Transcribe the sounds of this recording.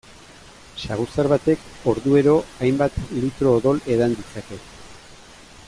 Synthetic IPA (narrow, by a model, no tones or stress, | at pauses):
saɣusaɾβat̪e̞ko̞ɾðue̞ɾo̞ajmbat̪lit̪ɾo̞ːðo̞le̞ðand̪isake̞